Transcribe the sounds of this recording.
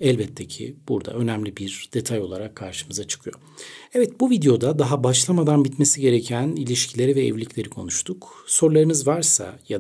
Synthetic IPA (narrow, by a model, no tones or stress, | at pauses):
ɛlʲbɛt̪ʰːecʰḭb̥uɾd̪a̰ø̞næmlʲibiɾd̪̥e̞t̪ʰajo̞lˠaɾakʰːaɾʃɯmɯzat͡ʃʰɯ̥kʰɯjo̞̰ | ɛvɛt̪̚buvid̪ejo̞d̪ad̪aɦabaʃlˠamad̪anbit̪me̞siɟe̞ɾecʰænilʲiʃcʰilʲe̞ɾivɛ̰ːvlʲicʰlʲe̞ɾikʰo̞̰nuʃt̪ʰukso̞ɾlˠaɾɯnɯzvaɾsa̰ja